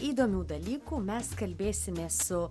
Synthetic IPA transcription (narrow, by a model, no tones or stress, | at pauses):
iːd̪oːmʲuːd̪ɐlʲiːkuːmʲɛskɐlʲbʲeːsʲɪmʲeːssʊ